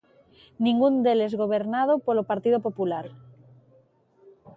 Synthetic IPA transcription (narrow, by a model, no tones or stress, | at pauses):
nĩŋɡund̪elezɣoβ̞eɾnað̞opolopaɾt̪iðopopulaɾ